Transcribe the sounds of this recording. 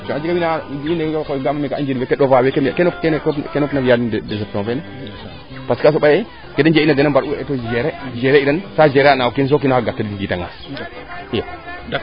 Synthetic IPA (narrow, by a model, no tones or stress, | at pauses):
t͡ʃoad͡ʒikawinainekoɡamamekaʔa̰nd͡ʒiɾwekeɗovawekemkenopkkkenopnafijaddesep̚tõfen | paskas̬obaje | kedend͡ʒeinadenambaɾuetod͡ʒeɾed͡ʒeɾeidansad͡ʒeɾeanaukins̬okinohaɡatːadidiɡitaŋa̰s | ja